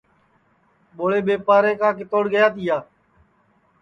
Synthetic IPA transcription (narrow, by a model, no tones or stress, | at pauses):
ɓoːɽeːɓeːpaːɾeːkãːkɪt̪oːɽɡəjaːt̪iːaː